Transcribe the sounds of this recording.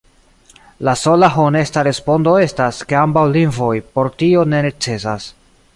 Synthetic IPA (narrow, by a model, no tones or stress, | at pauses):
laso̞laɦone̞staɾe̞spo̞ndo̞e̞staske̞ambawlinvo̞jpo̞ɾtio̞ne̞net͡se̞sas